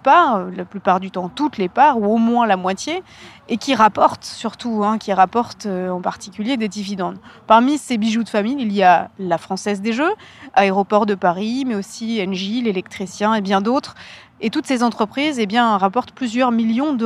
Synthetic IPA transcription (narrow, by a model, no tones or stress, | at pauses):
paølaplypaʁd̪yt̪ɑ̃t̪ut̪lepaʁuomwɛ̃lamwat̪je | ekʲiʁapɔʁt̪syʁt̪uɛ̃kʲiʁapɔʁt̪øɑ̃paʁt̪ikʲyljed̪ed̪ivid̪ɑ̃d̪paʁmisebiʒud̪əfamijilijalafχɑ̃sɛzd̪eʒøaeʁɔpɔʁd̪əpaʁimɛosiɛnʒilelɛk̚t̪χisjɛ̃ebjɛ̃d̪ot̪χ | et̪ut̪sezɑ̃t̪χəpχizebjɛ̃ʁapɔʁt̪plyzjœʁmiljɔ̃d̪ə